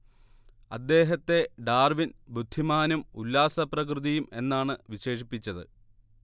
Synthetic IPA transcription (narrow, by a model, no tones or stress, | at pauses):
ɐd̪ːe̞ːɦɐt̪ːe̞ɖaːrʋinbud̪ʱːimaːnumulːaːsɐprɐk̬rɨðijume̞nːaːɳɨʋiɕe̞ːʂipːit͡ɕːɐðɨ̰